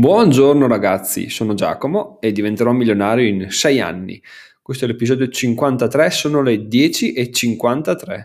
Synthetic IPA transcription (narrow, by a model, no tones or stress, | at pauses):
bwɔnd͡ʒornoɾaɡat̪sːḭsoːnod͡ʒa̰ːkomoed̪ːivent̪eɾɔmːiljonaːɾjoinsɛja̰nːḭ | kwest̪oɛlepizɔːd̪jot͡ʃiŋkwant̪at̪ɾɛsoːnoled̪jɛːt͡ʃiʔet͡ʃiŋkwant̪at̪ɾɛ̰